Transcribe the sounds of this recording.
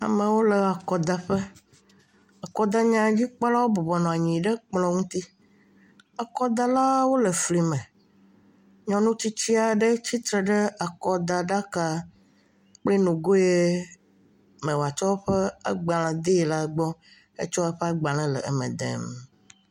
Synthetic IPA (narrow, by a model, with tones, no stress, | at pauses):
a̰˨mə̃˨wo˦lɛ˨a˨kɔ˨d̪a˦ɸɛ˦ | a˨kɔ˨d̪a˦ɲã˦d͡ʑi˦k͡pa˦la˦wo˦bɔ˨bɔ˨nɔ̃˨a˨ɲĩ˨ɖɛ˦k͡plɔ̃˦ŋũ˦t̪i˦ | a˨kɔ˦d̪a˦la˦wo˦lɛ˨fli˨mɛ̃˨ | ɲɔ̃˨nũ˦t͡ɕi˦t͡ɕi˦a˨ɖe˦t͡ɕi˦t̪ɾɛ˨ɖɛ˦a˨kɔ˨d̪a˨ɖa˦ka˦ | k͡ple˦nũ˨ɡo˦je˦ | mɛ̃˨wa˨t͡ʃɔ˦ɸɛ˦a̰˦ɡ͡ba˨lɛ̃˨d̪e˦˨la˦ɡ͡bɔ˦ | ḛ˦t͡ʃɔ˦e˦ɸɛ˦a˦ɡ͡ba˨lɛ̃˦lɛ̰˨ḛ˨mɛ̰̃˨d̪ḛ˨m